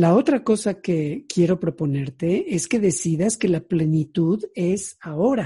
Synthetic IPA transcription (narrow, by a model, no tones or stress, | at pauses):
lao̞t̪ɾako̞sake̞kje̞ɾo̞pɾo̞po̞ne̞ɾt̪e̞e̞ske̞ðe̞siðaske̞laple̞nit̪uðe̞sao̞ɾa